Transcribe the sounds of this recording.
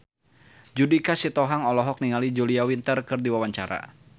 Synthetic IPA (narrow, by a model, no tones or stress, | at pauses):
d͡ʒudikasit̪ɔɦaŋɔlɔɦɔk̚niŋalid͡ʒuliawint̪ərkɨrdiwawaɲt͡ʃaɾa̰